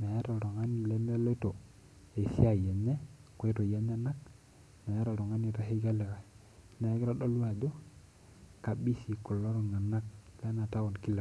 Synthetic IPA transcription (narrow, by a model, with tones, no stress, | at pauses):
ma˨ja˦ɾo˨ɾo˨ŋa˦ni˨le˦me˦lto˨ | e˨sḭ˦a˨je˨ɲe˦ko˦to˨je˦ɲe˦na˦k̚ | me˨ja˦ɾo˨ɾo˨ŋa˦ni˨ɾa˦ɦi˦ɡa˦le˨ka˨ | na˨˦ɡi˦ɾa˦ɗo˦la˨do˦ | ka˨bi˦si˨ko˨lːo˦ɾo˨ŋa˨na˦k̚le˦na˨ta˦wo˨nki˦la˨